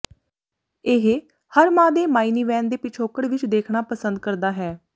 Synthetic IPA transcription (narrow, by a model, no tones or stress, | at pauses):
ɪɦ | həɾmãːd̪eːmaːiːniːʋɛːnd̪eːpɪt͡ʃʰoːkəɽʋɪt͡ʃd̪eːkʰɳaːpəsənd̪̚kəɾd̪aːɦɛː